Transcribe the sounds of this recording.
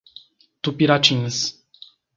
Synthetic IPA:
t̪upiɾat͡ʃins

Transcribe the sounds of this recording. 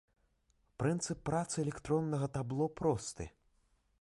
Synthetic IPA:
pɾɨnt̪sɨpːɾat̪sɨɛlʲɛkt̪ɾɔnːɐɣɐt̪ablˠɔpɾɔst̪ɨ̰

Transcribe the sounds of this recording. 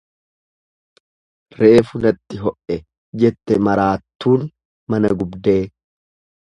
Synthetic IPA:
ɾe̞ːfʊnɐt̪ːɪɦɔʔʔɛ | d͡ʒɛt̪ːɛmɐɾaːt̪ːuːn | mɐnɐɡʊbd̪e̞ː

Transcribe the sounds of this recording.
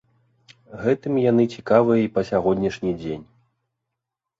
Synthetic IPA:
ɣɛt̪ɨmjanɨt͡sʲikavɨjɐipɐsʲaɣɔd̪ʲnʲɐʂnʲid͡zʲenʲ

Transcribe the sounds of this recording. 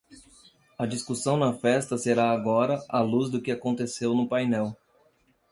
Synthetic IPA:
ɐd͡ʒiskusɐ̃w̃nɐfɛst̪ɐseɾaːɡɔɾɐʔaluzd̪ʊkɪakõnt̪esewnʊpajnɛw

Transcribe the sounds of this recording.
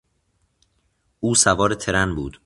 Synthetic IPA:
ʔuːsævɒːɾet̪ʰe̞ɾænbuːd̪̥

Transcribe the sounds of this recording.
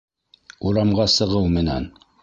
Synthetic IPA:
uɾɑmʁɑsɤ̆ʁɤwmɘ̆næ̰n

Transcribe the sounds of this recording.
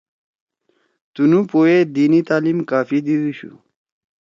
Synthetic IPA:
t̪unupoed̪iːnit̪aːlimkaːfid̪iwiɕṵ

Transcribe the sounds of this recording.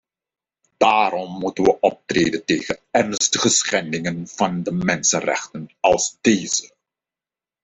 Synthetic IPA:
d̥aːɾɔmːutənʋəʔɔp̚treːdənteːχənɛrnstəχəsχɛndɪŋənv̥ɑndəmɛnsənrɛ̰χtənɑlˠzdeːzə

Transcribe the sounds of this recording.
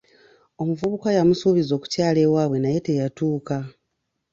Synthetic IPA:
o̞muvuβukajamusuːβizo̞ːku̥caːle̞waːβwe̞naje̞te̞jatuːka

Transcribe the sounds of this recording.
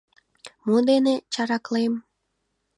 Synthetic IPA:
mud̪enet͡ɕɑɾɑklem

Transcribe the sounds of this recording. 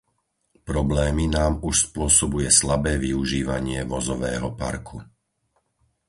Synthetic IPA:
pɾɔblɛːminaːmuʃspʊɔsɔbujɛslabɛːʋiuʒiːʋaɲɪɛʋɔzɔʋɛ̰ːɦɔpa̰ɾkʰu

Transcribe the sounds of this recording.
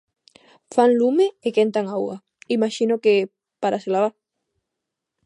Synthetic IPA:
faŋlumeekent̪aŋawa | imaʃinoke | paɾaselaβa

